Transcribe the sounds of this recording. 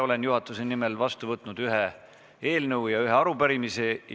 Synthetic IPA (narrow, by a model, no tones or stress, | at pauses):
o̞le̞njuɦɑt̪ːˑuse̞nime̞lvɑst̪uvɤt̪ːˑnud̪̥yɦe | e̞ːlnɤwjɑyɦeɑɾupæɾimise̞j